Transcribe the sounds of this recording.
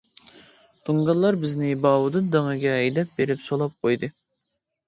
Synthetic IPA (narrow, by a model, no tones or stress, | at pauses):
t̪ʰuŋɡɑlˠːɑɾbɪznɪbɑwud̪ɨd̪əŋɨɡʲɛːjd̪ɛp̚beɾɪpsolˠɑp̚qʰojd̪ɨ